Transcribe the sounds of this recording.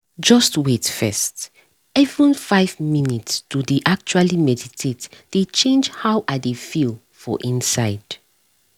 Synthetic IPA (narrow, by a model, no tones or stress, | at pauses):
d͡ʒɔstwetfɛ̰st | ɛvɹə̃nfaɪvminitstudeʔak̚t͡ʃualimɛditʰetd̥et͡ʃẽnd͡ʒhawʔadefilˠ | fɔ̰ʔĩnsaɪd̥